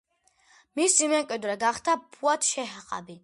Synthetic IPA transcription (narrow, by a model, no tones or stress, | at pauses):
misimɛŋkʼwid̪ɾɛɡaχt̪apʰuat̪ʰʃɛɦqʼa̰bi